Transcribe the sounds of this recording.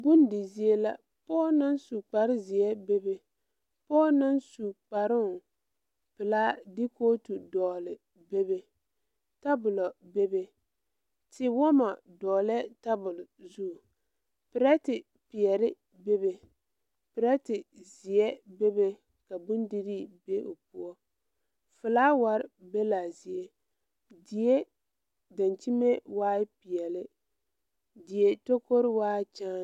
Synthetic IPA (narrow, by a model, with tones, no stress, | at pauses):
bʊ˦ndɪ˨zi˦e˦la̰˦ | pɔː˦na˦nsu˨k͡pa˨ɾɪ˦zɪ˨ɛ˦be˦be˦ | pɔː˦na˦nsu˨k͡pa˨ɾɪ˦ʊ˨ | pɪ˨laː˦dɪ˦koː˦tu˨dɔː˨lɪ˨ | be˦be˦ | ta˦bʊ˨lɔ˨be˦be˦ | tɪ˦wɔ˦ma˨ | dɔː˨lɛ˦ta˦bʊ˨lzu˦˨ | pɪ˨ɾa˦tɪ˨ | pi˨ɛ˨lɪ˦ | be˦be˨ | pɪ˨ɾa˦tɪ˨zi˨ɛ˦be˦be˦ | ka˨bʊ˦ndi˦ɾi˦be˦ʔo̰˨pu˦ɔ˦ | fɨ˨laː˦wa˨ɾɪ˦be˦la˨zi˨e˦ | dɪ˨je˦ | da˨nt͡ʃi˦me˦waː˦ɪ˦pi˨ɛ˨lɪ˦ | dɪ˨je˦to˦ko˦ɾɪ˦waː˦t͡ʃaː˦